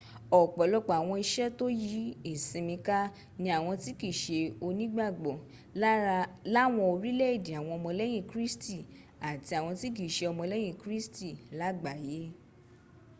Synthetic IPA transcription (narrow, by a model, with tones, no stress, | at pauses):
ɔ˨k͡pɔ˨lɔ˧˦k͡pa˨w̃ɔ̃˧i˧ʃɛ˦to˦ji˨˦i˦˨sĩ˧mĩ˧ka˦ | nĩ˧a˨w̃ɔ̃˧ti˦ki˦˨ʃe˧o˧nĩ˦ɡ͡ba˦˨ɡ͡bɔ˨˦ | la˦w̃ɔ̃˧o˧ɾi˦lɛ˦i˦˨di˨a˨w̃ɔ̃˧ɔ˧mɔ̃˧lɛ˦j̃ĩ˦˧˨kɾi˦sti˦˨ | a˨ti˧a˨w̃ɔ̃˧ti˦k̬i˦˨ʃe˧ɔ˧mɔ̃˧lɛ˦j̃ĩ˦˨kɾi˦sti˦˨la˨˦ɡ͡ba˨je˨˦